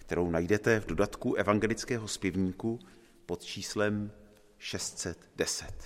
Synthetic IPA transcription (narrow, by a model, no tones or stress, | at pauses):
kt̪ɛɾo̞wnajdɛt̪ɛvdo̞dat̪kuʔɛvaŋɡɛlɪt͡skɛːɦo̞spjɪvɲiːku | po̞t̪t͡ʃiːslɛm | ʃɛst̪sɛt̪dɛsɛt̪